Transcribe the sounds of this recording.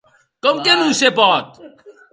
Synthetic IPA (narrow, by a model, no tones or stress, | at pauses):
kəmkenũsepɔt̪̚